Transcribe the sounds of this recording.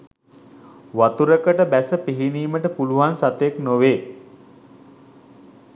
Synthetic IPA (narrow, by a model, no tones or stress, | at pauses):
ʋat̪uɾəkəʈəbæsəpiɦiniːməʈəpuluʋansat̪eknoʋeː